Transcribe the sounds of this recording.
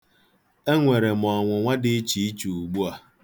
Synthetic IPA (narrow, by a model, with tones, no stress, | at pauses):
e˦ŋʷe˨ɾe˨m˨ɔ˨ŋʷʊ˨ŋʷa˦dɪ˦e˦t͡ʃi˨i˦t͡ʃu˨u˨ɡ͡bu˦a˨